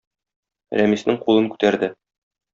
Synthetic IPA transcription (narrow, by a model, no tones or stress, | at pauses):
ɾæmisnɘŋqulˠɤ̆nŋkʉ̥t̪æɾd̪ɘ